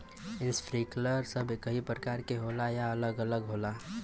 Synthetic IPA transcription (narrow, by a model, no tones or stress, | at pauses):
ɪnspʰɾikləɾsəbʱkəɦipɾəkaːɾkeɦoːlajaələɡələɡɦoːla